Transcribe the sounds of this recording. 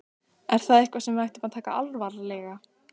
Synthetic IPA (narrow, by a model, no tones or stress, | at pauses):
ɛɾ̥θaðɪhkvasɛmvajht̪ʏmaðt̪ʰaːka̰alvaɾlɛɣa